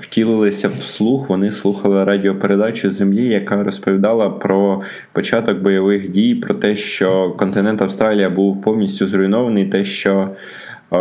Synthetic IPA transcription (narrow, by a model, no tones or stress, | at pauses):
wtʲilˠɪlˠɪsʲɐwslˠuxʋɔnɪslˠuxɐlˠɪɾɑdʲiɔpeɾe̞d̪ɑt͡ʃʊzemlʲijɐkɑɾɔspɔʋʲid̪ɑlˠɐpɾɔ | pɔt͡ʃɑt̪ɔɡ̚bɔjɔʋɪxdʲijpɾɔt̪ɛʃt͡ʃɔkɔnt̪ɪnɛnt̪ɐwst̪ɾɑlʲijɐbuwpɔwnʲisʲtʲʊzɾʊjnɔʋɐnɪjt̪ɛʃt͡ʃɔ